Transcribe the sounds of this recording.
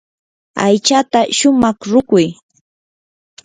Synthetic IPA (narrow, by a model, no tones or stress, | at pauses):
a̰jt͡ʃat̪aʃʊmɑχɾʊkʊj